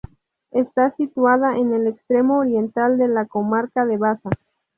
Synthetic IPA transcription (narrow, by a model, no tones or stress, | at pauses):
est̪asit̪waðaʔene̞lekst̪ɾe̞mo̞ːɾje̞nt̪ald̪e̞lako̞maɾkaðe̞βasa